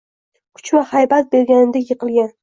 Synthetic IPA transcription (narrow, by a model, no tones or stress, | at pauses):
kʰʊ̥t͡ʃmahajbat̪̚be̞ɾɡʲanɪd̪ajɨqʰɨlˠɡʲan